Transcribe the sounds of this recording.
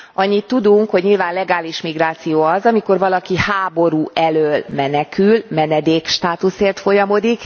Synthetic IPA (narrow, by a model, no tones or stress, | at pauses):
ʔɒɲːit̪ːud̪uŋkho̞ɟɲilvaːnlɛɡaːliʃmiɡraːt̪sijoːɒzɒmiko̞rvɒlɒkihaːbo̞ɾuːʔɛløːlmɛnɛkylmɛnɛd̪eːkʃt̪aːt̪useːrt̪fo̞jɒmo̞d̪ik